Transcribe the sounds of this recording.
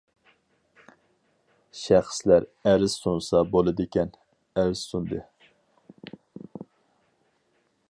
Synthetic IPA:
ʃæχslæɾæɾɪz̥sunsɑbolˠɨd̪ɪkʲɛn | æɾɪz̥sund̪ɨ

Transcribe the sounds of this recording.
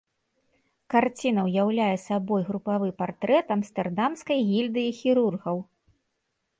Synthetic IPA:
kart͡sʲinɐwjawlʲajɛsabɔjɣɾupavɨpart̪ɾɛt̪ɐmst̪ɛrd̪amskɐjɣʲilʲd̪ɨixʲiɾurɣɐw

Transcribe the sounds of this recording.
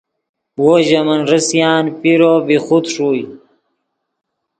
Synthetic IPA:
woʑɐmɐnɾəsjaːnpiɾoːbixut̪ʂuːj

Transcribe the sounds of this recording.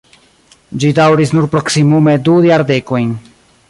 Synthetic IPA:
d͡ʒidawɾisnuɾpɾoksimumed̪ujaɾdekojn

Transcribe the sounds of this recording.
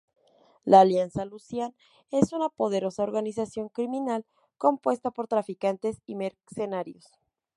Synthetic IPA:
laːljansalusjan | e̞sunapo̞ð̞e̞ɾo̞saoɾɣanis̬asjo̞ŋkɾimĩnal | ko̞mpwe̞st̪apo̞ɾt̪ɾafikant̪esimeɾsenaɾjo̞s

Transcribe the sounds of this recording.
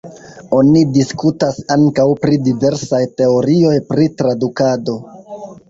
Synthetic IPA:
o̞nidiskutasaŋkawpɾidive̞ɾsajte̞o̞ɾio̞jpɾitɾadukado̞

